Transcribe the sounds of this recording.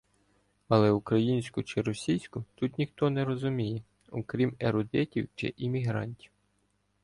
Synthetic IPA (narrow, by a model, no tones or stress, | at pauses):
ɐlˠɛukɾɐjinʲsʲkʊt͡ʃɪɾɔsʲijsʲkʊt̪ut̪nʲixt̪ɔnɛɾɔzʊmʲijɛ | ɔkɾʲimeɾʊd̪ɛtʲiwt͡ʃɪ̰ʔimʲiɦɾɑ̰nʲtʲiw